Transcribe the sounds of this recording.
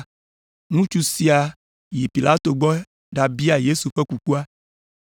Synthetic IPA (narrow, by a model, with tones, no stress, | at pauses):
nũ˦t͡ʃu˦si˨a˨ | ji˨pi˨la˦t̪o˨ɡ͡bɔ˦ | ɖa˨bi˦a˨je˦su˨ɸɛ˦ku˨ku˦a˦